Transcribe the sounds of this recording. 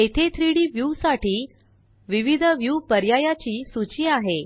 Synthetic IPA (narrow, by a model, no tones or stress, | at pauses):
et̪ʰet̪ʰɾiɽiːʋjuʋsaʈiː | ʋiʋid̪ʱəʋjupəɾjajat͡ɕiːsut͡ɕiːaɦe